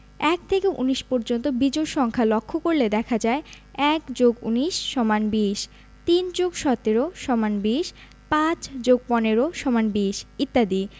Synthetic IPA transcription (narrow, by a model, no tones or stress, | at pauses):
ɛkt̪ʰekeʔṵniʃpɔɾd͡ʑont̪obid͡ʑoɾʃɔŋkʰalokʰːokoɾled̪ɛkʰad͡ʑae | ɛkd͡ʑoɡṵniʃʃɔmanbiʃ | t̪ind͡ʑoɡʃɔt̪ːeɾoʃɔmanbiʃ | pãt͡ɕd͡ʑoɡ̚pɔneɾoʃɔmanbiʃit̪ːad̪i